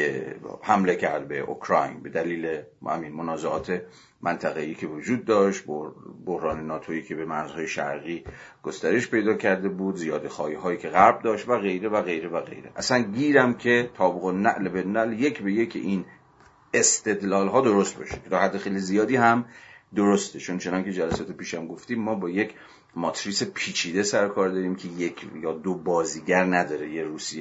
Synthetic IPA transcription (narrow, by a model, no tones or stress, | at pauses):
ehæmle̞cʰæɾd̪̚beʔo̰kʰɾɒ̰jnbe̞d̪æliːlehæ̰minmonɒːzeɒ̰ːt̪ʰe̞ | mʔænt̪ʰæɣeiːcʰe̞od͡ʒuːd̪ːɒːʃt̪bbohɾɒːnenɒːt̪ʰoiːkʰe̞bemæɾz̥hɒːjeʃæ̰ɾɣiːɡ̥ost̪æɾe̞ʃpʰe̞jd̪ɒːcʰæɾd̪e̞buːd̪zijɒːd̪exɒːjiɦɒːiːkcʰeɣæɾb̚d̪ɒːʃt̪væɣe̞jɾe̞væɣe̞jɾevæɣḛjɾḛʔæsænɟiːɾæmcʰe̞t̪ʰɒːbuɣonːæʔlebenːælje̞kʰbe̞je̞cʰḛʔin | est̪ʰe̞d̪lɒːlɦɒːd̪oɾost̪̚bɒ̰ːʃe̥kʰʲet̪ʰɒːhæd̪ːexejlizijɒːd̪iːhæmd̪oɾost̪ʰe̞t͡ʃʰo̞nt͡ʃʰe̞nɒŋcʰe̞d͡ʒælæsɒːt̪ʰe̞piːʃæmɡoft̪iːmːɒːbɒːje̞cʰ | mɒt̪ʰɾiːsepʰiːt͡ʃʰiːd̪esæɾokʰɒːɾd̪ɒːɾiːmcʰe̞jekʰjɒːd̪obɒːziːɟæɾnæd̪ɒːɾe̞jeɾuːsie